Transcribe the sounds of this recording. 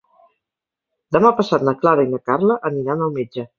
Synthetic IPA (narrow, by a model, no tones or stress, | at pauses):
d̪əmapəsat̪nəklaɾəinəkarləʔəniɾanəlˠmed͡ʒə